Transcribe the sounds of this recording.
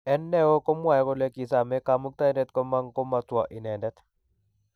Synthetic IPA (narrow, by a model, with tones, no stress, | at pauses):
ɛ˦nːɛ˦wo˦ko˦mwa˨jko˦le˦ki˨sa˨mɛ˦ka˨mu˦k̚t̪a˦i˦ndɛ˦t̪ko˦ma˦ŋko˦ma˨twa˨ʔi˨nɛ˨ndɛ˦t̪